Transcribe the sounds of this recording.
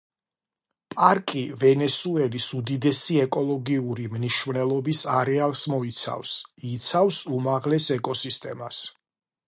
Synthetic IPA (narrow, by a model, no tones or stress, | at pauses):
pʼaɾkʼivɛnɛsuɛlisud̪id̪ɛsiɛkʼɔlˠɔɡiuɾimniʃmnɛlˠɔbisaɾɛalˠsmɔit̪sʰa̰fsit̪sʰafsumaʁlɛsɛkʼɔsist̪ʼɛmas